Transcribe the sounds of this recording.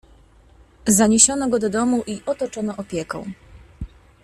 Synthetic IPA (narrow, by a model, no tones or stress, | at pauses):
zaɲeɕɔnɔɡɔd̪ɔd̪ɔmuʔiʔɔt̪ɔt͡ʂɔnɔʔɔpʲjɛkɔ̰̃w̃